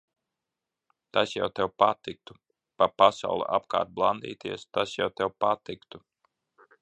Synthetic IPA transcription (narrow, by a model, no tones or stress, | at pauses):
t̪asja̰wt̪ɛwpat̪ik̚t̪u | papasa̰wlˠṵʔa̰pka̰ːɾt̪̚blˠand̪ḭːt̪iɛst̪asjawt̪ɛwpat̪ikt̪u